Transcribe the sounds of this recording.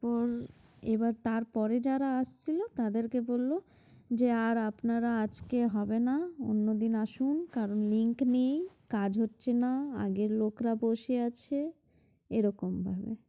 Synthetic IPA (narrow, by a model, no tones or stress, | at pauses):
pɔɾ | ebaɾt̪aɾpɔɾed͡ʑaɾaaʃt͡ɕʰilot̪ad̪eɾkebolːo | d͡ʑeaɾapnaɾaad͡ʑkeɦɔbenao̰nːod̪inaʃunkaɾonliŋknejkad͡ʑʱɦotːɕʰenaa̰ɡeɾlokɾaboʃeat͡ɕʰe | eɾɔkombʱabḛ